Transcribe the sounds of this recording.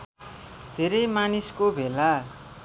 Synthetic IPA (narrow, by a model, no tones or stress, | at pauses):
d̪ʱeɾʌjmaniskobʱela